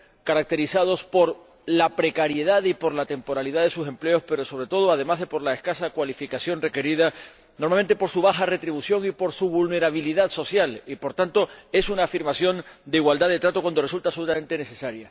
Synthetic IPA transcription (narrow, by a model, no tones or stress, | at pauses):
kaɾak̚t̪e̞ɾisað̞o̞spo̞ɾ | lapɾe̞kaɾje̞ð̞aðipo̞ɾlat̪e̞mpo̞ɾaliðaðe̞suse̞mple̞o̞spe̞ɾo̞so̞βɾe̞t̪o̞ð̞oað̞e̞mazðe̞po̞ɾlaeskasakwalifikasjo̞nre̞ke̞ɾið̞a | noɾmame̞nt̪e̞po̞ɾsuβ̞axare̞t̪ɾiβusjo̞ŋipo̞ɾsuβulne̞ɾaβ̞iliðaðso̞sjalipo̞ɾt̪ant̪o̞e̞sunaːfiɾmasjo̞nd̪eiɣwald̪aðe̞t̪ɾat̪okwand̪o̞result̪aβso̞lut̪amẽ̞nt̪e̞ne̞se̞saɾja